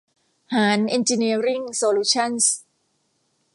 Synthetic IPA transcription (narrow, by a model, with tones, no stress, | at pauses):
haː˩˦nʔi˧nt͡ɕi˧ni˧ɾi˥˩ŋsoː˧luː˧t͡ɕʰa˥˩ns